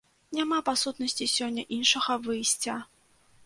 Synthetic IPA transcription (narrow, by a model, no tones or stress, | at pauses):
nʲamapasut̪nɐsʲt͡sʲisʲɔnʲːɐʔinʂɐɣɐvɨjsʲt͡sʲa